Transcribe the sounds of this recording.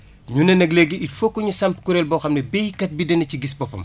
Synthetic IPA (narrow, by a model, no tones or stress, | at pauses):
ɲunɛnɐɡleɡiitfokːɔɲusɐmpkuɾɛːlbɔxɐmnɛbɛjikɐt̚bidɛnɐciɡisbɔpːɐ̰m